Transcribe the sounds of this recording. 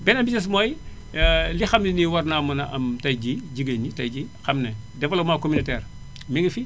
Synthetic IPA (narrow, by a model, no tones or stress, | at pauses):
bɛnɐbisɐs̬moj | lixɐmniniwɐrnamɐnɐʔɐmtɐjɟiɟiɡeɲɟitɐjɟixɐmnɛ | dɛfɐlomakominitɛːr | miŋifi